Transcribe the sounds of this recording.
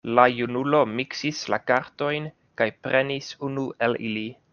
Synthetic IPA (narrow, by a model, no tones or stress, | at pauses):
lajunulo̞miksislakaɾto̞jn | kajpɾʔe̞nisunuʔelili